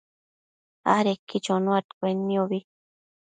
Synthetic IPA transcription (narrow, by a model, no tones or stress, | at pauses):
a̰ɾekːit͡ʃonõat̪kʷenːioβi